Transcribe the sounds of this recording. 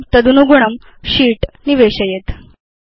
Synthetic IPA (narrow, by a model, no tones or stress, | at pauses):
t̪əd̪unuɡuɳəm | ɕiːʈniʋeɕəjet̪